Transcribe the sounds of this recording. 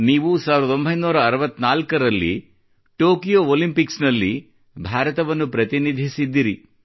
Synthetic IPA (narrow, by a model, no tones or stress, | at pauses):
niːʋusaːʋiɾd̪ɐd̪o̞mbʱɐjnuːɾɐːɾɐʋɐt̪ːnaːlkɐɾɐlːḭ | ʈoːkijoolimpiksnɐlːi | bʱaːɾɐt̪ɐʋɐnːupɾɐt̪inid̪ʱisid̪ːiɾi